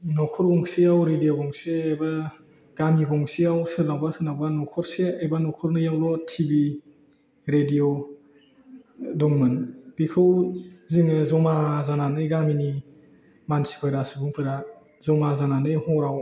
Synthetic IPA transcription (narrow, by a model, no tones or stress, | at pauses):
nɔkʰɔɾɡɔŋsiawɾedijoɡɔŋseajba | ɡ̥amiɡɔŋsiawsɯnawbasɯnawbanɔkʰɔɾseajbanɔkʰɔɾnɯjawlɔtʰibi | ɾediɔ | dɔŋmɯnbikʰɯwziŋɯzɔmazananɯjɡamini | mansi̥kʰɔjɾasɯbuŋpʰɯjɾa | zɔmazananɯjhɔɾaw